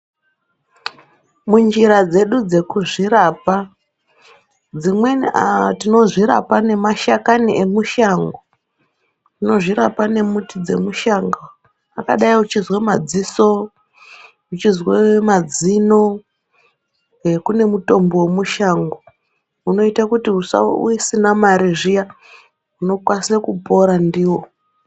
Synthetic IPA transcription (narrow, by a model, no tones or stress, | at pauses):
mund͡ʒiɾad͡ze̞ɗud͡ze̞kuʐiɾapa | d͡zimwetino̞ʐiɾa̰pane̞maʃakaniʔe̞muʃaŋɡo | tino̞ʐiɾapane̞mutid͡ze̞̰muʃaŋɡo | akaɗaiut͡ʃizwemad͡ziso | ut͡ʃizwemad͡zino | kune̞muto̞mbowemuʃaŋɡo | uno̞itakutiusa̰ṵisinamaɾeʐija | uno̞kwassakupo̞ɾandiːwo̞